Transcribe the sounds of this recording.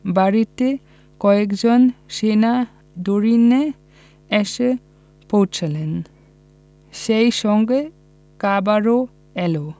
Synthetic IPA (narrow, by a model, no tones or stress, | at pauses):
baɾit̪e | kɔekd͡ʑonʃena | d̪oɾine | eʃe | powt͡ɕʰelen | ʃejʃɔŋɡe | kabaɾo | ɛlo